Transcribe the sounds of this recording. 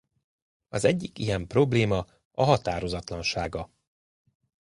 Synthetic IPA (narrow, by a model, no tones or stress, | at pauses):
ɒzɛɟːikijɛmpro̞bleːmɒ | ɒɦɒt̪aːɾo̞zɒt̪lɒnʃaːɡɒ